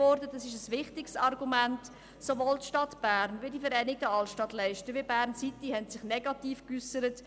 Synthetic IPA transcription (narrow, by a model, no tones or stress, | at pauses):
ɔɾdədɑsɪʃəsʋɪχtɪksɑrɡumænt | soʋoːltʃtɑtb̥æːɾnʋɪdifəɾɛɪnɪɡ̚dəɑlʃtɑtlɛɪʃtəʋɪbæːɾnsitihɛntsɪχnɛɡɑtiːfkysəɾət